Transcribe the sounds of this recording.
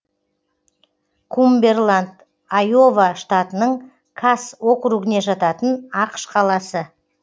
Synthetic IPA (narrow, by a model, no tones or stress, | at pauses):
kʰumbe̞rlˠand̪ | ajo̞vaʃt̪at̪ənəɴ | kʰaso̞kɾuɡɪne̞ʒɑt̪ɑt̪ənɑqə̥ʃqʰɑlˠɑsə